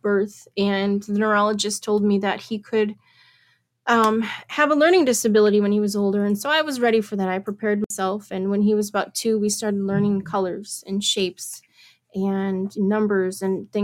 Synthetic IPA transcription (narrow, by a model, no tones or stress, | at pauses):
b̥ɜ˞θɨ̃nðɨnə˞ɑlˠəd͡ʒɨstʰoʊlˠd̚miðɨt̚hikʰɨd̚ | ʔʌ̃ɨvəlɜ̃˞ñɪ̃ŋdɪsɨbɪlˠəɾiwə̃niwʌzoʊlˠdə˞ɨ̃nsoʊaɪwʌzɹɛɾifə˞ðɨɾaɪpʰɹ̥ipʰɛɹd̚maɪsɛlˠfɨ̃nwə̃niwʌzəbaʊtʰʉwistɑɹɾɨdˡlɜ̃˞nɪ̃ŋkʰʌlˠə˞z̥ɨ̃nʃeɪps | ɨ̃nːʌ̃mbə˞zɨ̃nθɪ̃